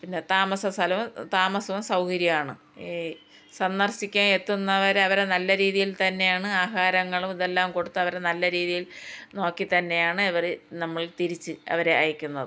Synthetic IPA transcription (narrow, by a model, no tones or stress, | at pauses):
pinːe̞t̪aːmɐsɐsʰɐlɐʋumt̪aːmɐsɐʋumsɐwkɐɾjɐjaːɳɨ | sɐnːɐrsikʲːaːme̞t̪ːunːɐʋɐɾɐʋɐɾenɐlːɐɾiːðijilt̪ɐnːe̞jaːɳɨaːɦaːɾɐŋːɐɭumiðelːaːmko̞ɽut̪ːɨɐʋɐɾenɐlːɐɾiːðijilno̞ːkːit̪ɐnːe̞jaːɳɨɐʋɐrnɐmːɐɭt̪iɾit͡ɕːɨɐ̰ʋɐɾe̞ɐjikʲːunːɐðɨ